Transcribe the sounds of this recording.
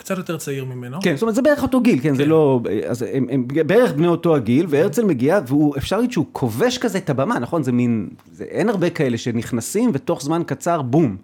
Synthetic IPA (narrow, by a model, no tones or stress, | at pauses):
kt͡sat̪jot̪eʁt͡saiʁmimenokenstomtzebeeeχo̞to̞ɡilkenzelo̞ea̰zemembeeʁeχbnejo̞to̞aɡilveeʁt͡selme̞ɡiaveuefʃaʁljoʃeukʰo̞ve̞ʃkazeetabamanaχo̞nzemin | zḛʔenaʁbe̞kae̞leʃe̞niχnasimve̞to̞χzmankat͡saʁbum